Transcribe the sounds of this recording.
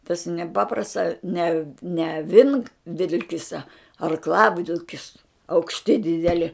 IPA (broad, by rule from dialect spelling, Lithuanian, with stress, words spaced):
tɐs nʲɛˈpɑːprɐsts ɐ nʲɛ nʲɛ ɐˈʋʲɪŋkʋʲɪlʲkʲɪsɐ ɐrkˈlˠɑːʋʲɪlʲkʲɪs ɐʊkʃʲˈtʲɪ dʲɪdʲɛˈlʲɪ